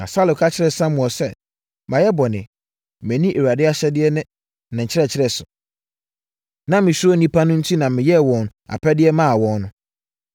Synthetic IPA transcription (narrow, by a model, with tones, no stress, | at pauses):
nã̰˨sa˦lʊ˨kʰa˦t͡ɕʰɪ˦ɾɛ˨sã˦mʊ̃˨ɔ˨sɛ˦ | mã˨jɛ˦bɔ˨nɪ̃˨ | mɛ̃˨nĩ˦ʔe˨wa˨dɪ˦a˦ɕɛ˦dɪ˦ɛ˦nɪ̃˦ | nã˨ɲ̩˨t͡ɕʰɪ˦ɾɛ˦˨t͡ɕʰɪ˦ɾɛ˨sʊ˨ | nã˨mɪ̃˨ɕʊ˦ɔ˦nĩ˦pʰa˦nʊ̃˦n̩˦tʰi˦nã˨mɪ̃˨jɛ˦˨wɔ̃˨n˨a̰˨pʰɛ˦dɪ˦ɛ˦mã˦a˨wɔ̃˨nnʊ̃˨